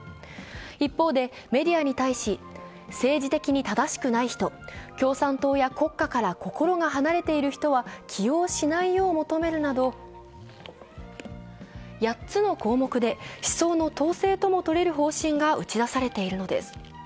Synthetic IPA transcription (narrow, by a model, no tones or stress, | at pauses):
ipːo̞ːd̪e̞ | me̞d̪ʲiaɲ̟it̪aiɕi | se̞ːd͡ʑit̪e̞kʲiɲ̟it̪ad̪aɕi̥kɯ̟naiçi̥t̪o̞kʲo̞ːsãnt̪o̞ːjako̞kːakaɾako̞ko̞ɾo̞ɡaɦanaɾe̞t̪e̞iɾɯ̟çi̥t̪o̞βakʲʰijo̞ːɕinaijo̞ːmo̞t̪o̞me̞ɾɯ̟nad̪o̞ | jatt͡sɨno̞ko̞ːmo̞kɯ̟d̪e̞ɕi̥so̞ːno̞t̪o̞ːse̞ːt̪o̞mo̞t̪o̞ɾe̞ɾɯ̟ɦo̞ːɕĩŋɡaɯ̟t͡ɕid̪asaɾe̞t̪e̞iɾɯ̟no̞d̪e̞̰sɨ̥